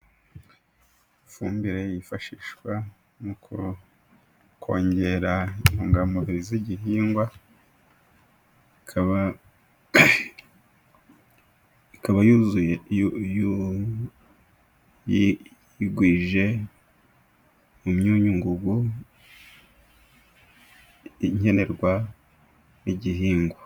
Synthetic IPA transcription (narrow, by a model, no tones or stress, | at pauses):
ifuːmbiɾejifaʃiːʃkwa | mukʰu | kʰoːɲɟe̞ɾanuŋɡamoviɾiziɟihiːŋɡwa | ikʰaβa | ikaβajuːzujeju | ji | jiɡwiːʒe̞ | umɲuːɲuŋɡuɡu | ɲe̞ne̞ɾɡwa | iɟiɦiːŋɡwa